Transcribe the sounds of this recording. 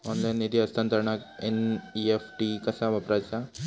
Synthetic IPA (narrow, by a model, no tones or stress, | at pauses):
ɔnlajniɾijɐst̪ʰant̪əɾɳakeniefʈikɐsaʋɐpɾasa